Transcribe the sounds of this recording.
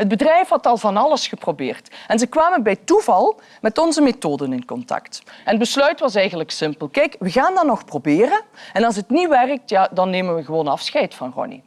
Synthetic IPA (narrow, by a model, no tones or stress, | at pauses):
ɦəd̚bədrɛjfɦɑtɑlˠvɑnɑləsxəprobɪ̰ːrtɛnzəkʋaːmənbɛjtuvɑlˠ | mɛtɔnzəmetoːdənɪnkɔntɑ̰ktɛnədbəslœɥtʋɑsɛjɣənləksɪmpəlˠkɛjkʋəɣaːndɑnːɔxprobɪːrənɛnɑlˠsətniʋɛrk̚tjaːdɑnːeːmənʋəɣəʋoːnɑfsxɛjtfɑnrɔ̰nḭ